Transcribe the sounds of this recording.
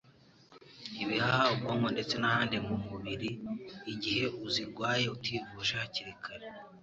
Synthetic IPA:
iβihahaubɡoːŋɡo̞nde̞t͡se̞nahaːnde̞ŋɡumuβiɾiːɟihe̞uziɾɡwaːje̞utwiːvuːʃahaciɾikʰaɾe

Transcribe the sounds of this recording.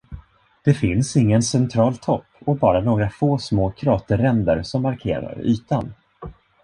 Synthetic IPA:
d̪̥ɛfɪnsɪŋːənsɛnt̪ʰɾɑːlt̪ʰɔpːɔbɑːɾanoːɡɾafoːsmoːkʰɾɑːt̪əɾɛnd̪ə̰ɾsɔmːaɾkʰḛːɾa̰ɾy̰ːt̪an

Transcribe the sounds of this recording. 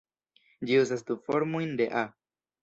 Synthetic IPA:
d͡ʒius̬ast̪ufoɾmujnd̪eʔa

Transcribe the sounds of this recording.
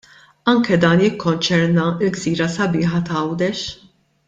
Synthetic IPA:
ɐŋkɛd̪ɐːnjɪkːɔnt͡ʃɛɾnɐɪlɡziːɾɐsɐbɪːħɐt̪ɐɐwd̪ɛʃ

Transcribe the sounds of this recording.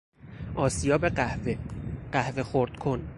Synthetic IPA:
ʔɒːsijɒːbeɢæhveɢæhve̞xoɾd̪̥kʰon

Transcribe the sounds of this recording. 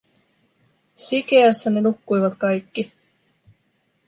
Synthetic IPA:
sike̞æsːæne̞nukːujʋɑt̪kɑjkːi

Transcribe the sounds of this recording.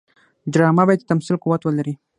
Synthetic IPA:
d͡ʒɾɑmabɑjed̪ət̪amsilquwat̪wəlaɾi

